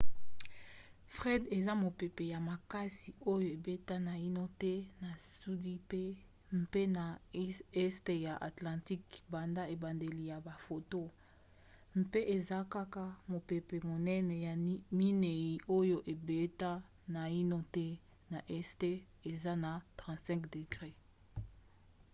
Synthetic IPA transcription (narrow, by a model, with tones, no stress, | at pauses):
fʁɛ˦de˨za˦mo˨pe˨pe˨ja˨ma˨ka˦si˨o˦jo˦e˨be˦ta˦na˨i˦no˦tɛ˦na˨su˦di˦pe˦ | m˦˨pe˦na˨˦ɛ˦ste˨ja˨ʔa˨tlã˨ti˦kba˨nda˦e˨ba˨nde˨li˨ja˨ba˨fo˨to˦ | mpe˦ʔe˨za˦ka˦ka˦mo˨pe˨pe˨mo˨nɛ˦nɛ˨jmi˦ne˨ji˨ʔo˦jo˦ʔe˨be˦ta˦ | na˨i˦no˦tɛ˦ | na˨ʔɛ˦ste˦ | e˨za˦na˨tʁã˨tsɛ̃˦kde˨ɡʁe˦